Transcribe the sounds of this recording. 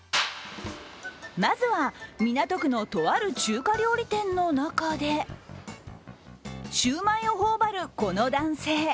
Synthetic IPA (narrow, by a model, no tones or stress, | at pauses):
mazɨβamʲinat̪o̞kɯ̟no̞t̪o̞βaɾɯ̟t͡ɕɨːkaɾʲo̞ːɾʲit̪ẽ̞nːo̞nakad̪e̞ | ɕɨːmãĩo̞ɦoːbaɾɯ̟ko̞no̞d̪ãɰ̃se̞ː